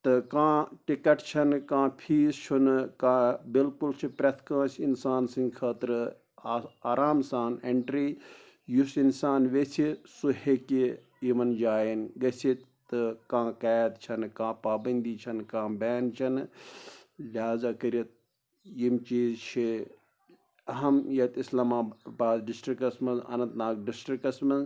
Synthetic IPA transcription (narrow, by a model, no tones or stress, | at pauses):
t̪ɨkãːʈikɐʈt͡ʃʰɐnkãːpʰiːzt͡ʃʰunkãːbilkult͡ʃʰipɾʲɐt̪ʰkãːsinsaːnsĩŋɡkʰaːt̪ɾɨ | aːɾaːmsaːneɳʈɾiː | jusinsaːnʋesisuɦeki | imɐnd͡ʒaːjinɡɐsit̪ː | ɨkãːkaːt̪t͡ʃʰɐnkãːpaːbɐnd̪iːt͡ʃʰɐnkãːbeːnt͡ʃʰɐn | lʲaːzɐkɐɾɐt̪̚ | jimt͡ʃiːzt͡ʃʰi | ɐɦɐmjɐt̪islaːmaːbaːd̪ɖisʈɾikɐsmɐzɐ̰nɐnt̪naːk̚ɖisʈɾikɐsmɐz